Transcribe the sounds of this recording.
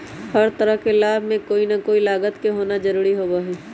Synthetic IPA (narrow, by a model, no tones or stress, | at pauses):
hɐɾt̪ɐɾəɦkelaːbʱmẽkoːinɐkoːilaːɡət̪keɦoːnad͡ʒɐɾuːɾiɦoːbaːɦiː